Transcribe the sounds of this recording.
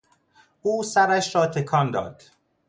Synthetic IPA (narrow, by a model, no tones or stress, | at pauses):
ʔuːsæɾæʃɾɒːt̪ʰe̞kʰɒːnd̪ɒ̰ːd̪̥